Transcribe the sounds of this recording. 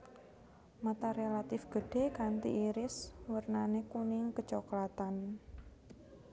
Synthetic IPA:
mat̪aɾelat̪ɪfɡ̥ə̤ɖ̥e̤kant̪ḭʔiɾɪswərnanekunɪŋkət͡ʃɔklat̪an

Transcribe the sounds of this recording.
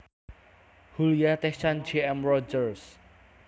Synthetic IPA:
hulijat̪ɛt͡ʃand͡ʒeɛmrɔd͡ʒərs

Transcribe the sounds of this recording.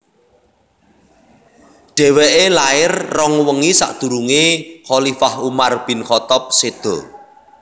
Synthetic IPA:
ɖ̥ɛ̤wɛʔelaɪrːɔŋwəŋisa̰ʔd̪̥ṳɾuŋeχɔlifahumarb̥i̤nχɔt̪ɔp̚sed̪̥ɔ̰

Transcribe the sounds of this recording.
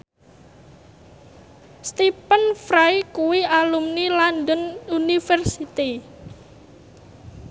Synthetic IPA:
st̪ipənfɾajkuwialumnilandənunifɛrsit̪i

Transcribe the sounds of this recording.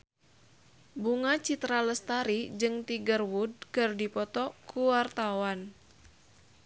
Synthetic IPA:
buŋat͡ʃit̪ɾaləst̪aɾid͡ʒɨŋt̪iɡərwud̚kərdipɔt̪ɔkuwart̪awan

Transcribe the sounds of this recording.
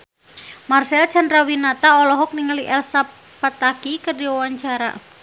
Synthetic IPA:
marsɛl̥d͡ʒa̤nrawinat̪aɔlɔɦɔk̚niŋəliʔɛlsap | pːat̪akikərdiwawaɲt͡ʃaɾa̰

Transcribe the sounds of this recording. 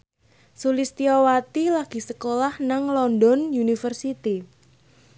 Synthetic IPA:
sulist̪iɔwat̪ilaɡ̥i̤səkolahnaŋlɔndɔnunifərsit̪i

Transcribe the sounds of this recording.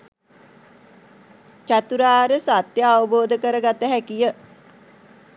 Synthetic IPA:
t͡ʃat̪uɾaːɾəsat̪jəaʋəboːd̪əkəɾəɡat̪əɦækijə

